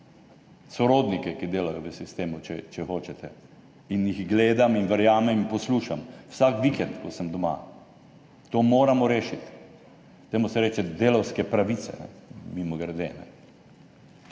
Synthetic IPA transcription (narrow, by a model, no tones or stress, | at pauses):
sɔɾoːd̪nikɛkid̪eːlajɔʋəsist̪eːmut͡ʃɛt͡ʃɛxoːt͡ʃɛt̪ʰɛ | injixɡleːd̪aminʋəɾjaːmɛminpɔsluːʃamwsakʋikɛnt̪kɔsəmd̪ɔma̰ | t̪oːmoːɾamɔɾeːʃit̪ | d̪̥ɛjmɔsɛɾɛːt͡ʃɛd̪eːlɐwskɛpɾaʋit̪t͡s̪ɛ̰nɛ̰mimɔɡɾd̪eːnɛ̰